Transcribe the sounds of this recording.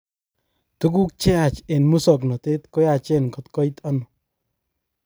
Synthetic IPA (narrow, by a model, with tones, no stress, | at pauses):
t̪u˦k̬u˦k̚t͡ʃe˦a˨t͡ʃe˨nmu˦sɔ˨knɔ˨t̪e˦t̪ko˦ja˨t͡ʃe˦˨nkɔ˦t̪kɔ˦i˦t̪a˦no˨